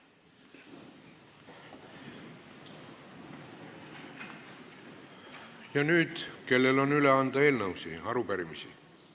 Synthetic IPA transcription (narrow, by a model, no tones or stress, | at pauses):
jɑnyːd̪̥ke̞lːe̞lo̞nyleɑnd̪ɑe̞ːlnəwsiɑɾupæɾimisḭ